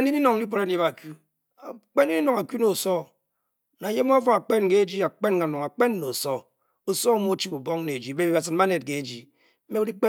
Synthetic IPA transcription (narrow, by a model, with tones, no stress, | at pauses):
a˨ni˦ni˦nɔ˨ŋ˦i˦k͡po˨ɾa˦e˦ba˨ku˦ | a˨k͡pe˦n˦i˦ni˦no˨ŋa˨kju˦no˨sɔ˦ | na˨je˦m˦fo˦a˨k͡pe˦nke˦d͡ʒi˦a˨k͡pe˦nka˨nɔ˨ŋa˨k͡pe˦nːo˨sɔ˦ | o˨sɔ˦mo˦t͡ʃi˦bu˨bɔ˦ŋne˨e˨d͡ʒi˨be˦bi˨ba˨sɨ˨ma˦ne˨t̚ke˨e˨d͡ʒi˨˦ | me˦u˦i˦k͡pe˦